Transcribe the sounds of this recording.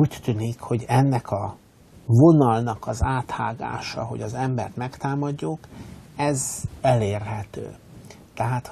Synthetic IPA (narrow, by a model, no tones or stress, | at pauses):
uːct̪yːnikho̞ɟɛnːɛkʰɒ | vo̞nɒlnɒkɒzaːt̪ha̰ːɡa̰ːʃɒ̰ɦo̞̰ɟɒzɛmbɛrt̪mɛkt̪aːmɒɟːokɛzɛleːrɦɛt̪ø̰ː | t̪ɛɦaːt̪